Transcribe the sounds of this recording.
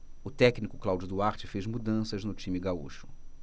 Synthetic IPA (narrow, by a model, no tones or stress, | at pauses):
ʊt̪ɛknikʊklawd͡ʒʊd̪uaɾt͡ʃɪfezmud̪ɐ̃sɐznʊt͡ʃĩmɪɡauʃʊ̥